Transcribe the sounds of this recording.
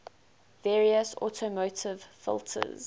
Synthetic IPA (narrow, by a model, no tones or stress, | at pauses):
vɛːɹiəsɔ̰tʰəmoʊtʰɪv̥fɪ̰lˠtʰə̰z